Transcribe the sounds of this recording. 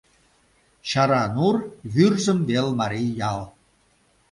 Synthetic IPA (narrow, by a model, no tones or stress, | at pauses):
ɕɑɾɑnurβyrzə̆mbelmɑɾijjɑlˠ